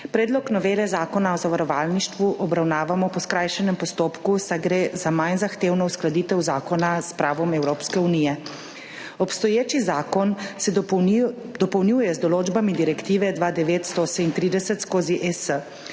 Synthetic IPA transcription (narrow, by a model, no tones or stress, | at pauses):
pɾɛːd̪lɔknɔʋeːlɛzaːkɔnaɔzaʋaɾɔʋaːlniʃt̪ʋuʔɔbɾawnaːʋamɔpɔskɾaːjʃɛnɛmpɔst̪oːpkusajɡɾeːzamajnzaxt̪eːwnɔusklad̪it̪ɛwzaːkɔnaspɾaːʋɔmɛwɾoːpskɛunijɛ | ɔpst̪ɔjeːt͡ʃizakɔn | d̪ɔpɔwnjuːjɛzd̪ɔloːd͡ʒbamid̪iɾɛkt̪iːʋɛd̪ʋad̪ɛʋeːt̪st̪ɔsɛmint̪ɾiːd̪ɛsɛt̪skoːziʔɛsə